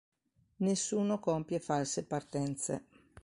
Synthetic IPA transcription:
nesːuːnokompjefalsepart̪ɛnt̪sḛ

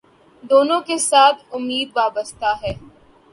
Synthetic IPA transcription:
d̪oːnõkesaːt̪ʰʊmːiːd̪̚ʋaːbəst̪aɦɛː

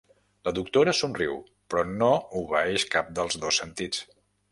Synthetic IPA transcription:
ləðuk̚t̪oɾəsunriw | pɾɔnouβəɛʃkap̚d̪əlˠzðosːənt̪it͡s

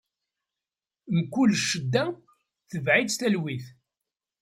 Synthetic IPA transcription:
nkʷːulʃːəd̪ːæ | θəvʕidθælwiθ

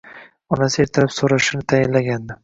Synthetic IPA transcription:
ɒnasɪeɾt̪ʰɪɾɪpsoɾaʃɪnɪt̪ʰajɪnlaɡʲand̪ɪ

